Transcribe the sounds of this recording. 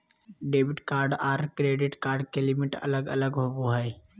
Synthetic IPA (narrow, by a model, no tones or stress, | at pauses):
ɖeːbɪʈkaːɾɖaːɾkɾeːɖɪʈkaːɾɖkelɪmɪʈɐ̰ləɡɐ̰ləɡɦoːboɦɛj